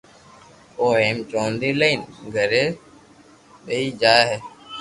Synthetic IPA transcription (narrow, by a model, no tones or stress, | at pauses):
oːɦeːmt͡ʃõːnd̪iːləiːnɡʱəɾeː | ɓəiːd͡ʒaːeɦeː